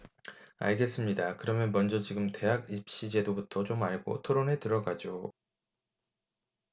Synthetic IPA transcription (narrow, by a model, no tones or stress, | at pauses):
a̰ɭɡe̞s͈ɯmɲidakɯɾʌmjʌnmʌnd͡ʑʌt͡ɕiɡɯmte̞ɦaɡip̚ɕ͈id͡ʑe̞dobutʰʌt͡ɕomaɭɡo̰tʰoɾonetɯɾʌɡad͡ʑo